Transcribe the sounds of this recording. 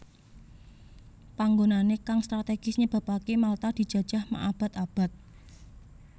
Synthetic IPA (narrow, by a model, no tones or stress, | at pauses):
paŋɡonanekaŋst̪ɾat̪eɡ̥ɪsɲəb̥a̤pakemalt̪ad̪̥i̤d̥d͡ʒ̥ä̤d̥ʒ̥a̤hma̰ʔab̥a̤t̪ab̥a̤t̪̚